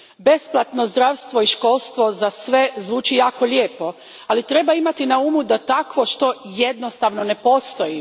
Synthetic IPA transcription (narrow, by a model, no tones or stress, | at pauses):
be̞splˠat̪no̞zd̪ɾaʋst̪ʋo̞iʃko̞lˠst̪ʋo̞zasʋe̞zʋuːt͡ʃijaːko̞ʎʲjeːpo̞ | alit̪ɾe̞baimat̪inauːmud̪at̪akʋo̞ʃt̪o̞jed̪no̞st̪aʋno̞ne̞po̞st̪o̞ji